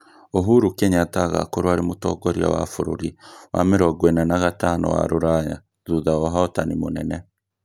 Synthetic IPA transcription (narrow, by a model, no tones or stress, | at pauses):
oɦuɾukeɲataɣa̰koɾwaɾimutoɡoɾia̰wa̰fuɾṵɾiwa̰meɾoɡwenanaɣatano̰wa̰ɾuɾaɲa̰ | ðuðaoɦaotanimunene